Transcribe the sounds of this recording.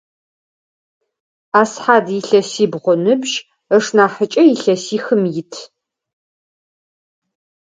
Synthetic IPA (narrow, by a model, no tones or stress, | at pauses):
aːsħaːdiɬɐsiːbʁʷʊnɨbʒ | əʂnaːħət͡ʃʼɐjɪɬɐsiːxɨmjɪtʰ